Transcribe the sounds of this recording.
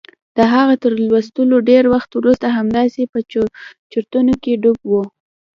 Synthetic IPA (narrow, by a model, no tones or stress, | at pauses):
d̪̥əɦaɣat̪əɾlwast̪əloɖeɾwaxt̪wɾust̪aɦamd̪ɑsepət͡ʃəɾt̪unokeɖʊbwu